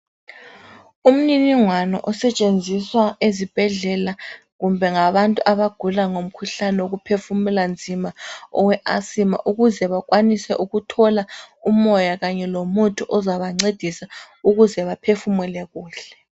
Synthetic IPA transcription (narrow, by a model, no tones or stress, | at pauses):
um̩niniŋwanɔ̰ʔɔsɛt͡ʃʼend͡zʱiswaezib̥ʱɛɮɛlaɣumbʱɛŋaβantʼuʔaβaɡ̥ʱulaŋom̩kʰuɬanɛwoɣupʰefumɛland͡zʱimaɔ̰wɛʔasima̰ʔuɣuzɛβakwanisɛʔuɣutʰɔlaumɔjaɣaɲɛlomutʼʰuʔɔzaβaŋ͡ǀed̥ʱisa | uɣuzɛβapʰefumɛlɛɣuːɬɛ̥